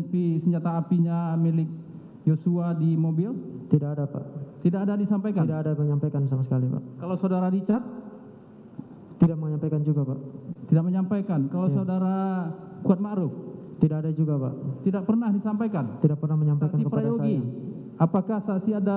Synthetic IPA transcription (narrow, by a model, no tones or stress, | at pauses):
pisəɲd͡ʒat̪aːpiɲamilɪk̚ | josuadimobɪlt̪idaʔadapa̰ʔt̪idaadadisampajkaindaadaməɲampajkans̬amasə̥kalipa̰ʔkalawsaudaɾadit͡ʃat̪̚ | t̪idaʔ̚məɲampajkand͡ʒuɡapaʔt̪idaʔ̚məɲampajkankalawsaudaɾakuat̪̚maʔɾuk̚t̪idaʔadad͡ʒuɡapa̰ʔt̪idak̚pərnahdisampajkant̪idaʔ̚pərnahməɲampakansikəpɾajjoɡi | apakahsaʔsiada